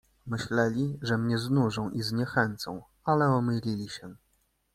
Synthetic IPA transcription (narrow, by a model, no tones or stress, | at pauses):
mɘɕlɛlʲiʐɛmɲɛznuʐɔ̃w̃ʔizɲɛxɛnt̪sɔ̰̃w̃ | alɛɔmɘlʲilʲiɕɛ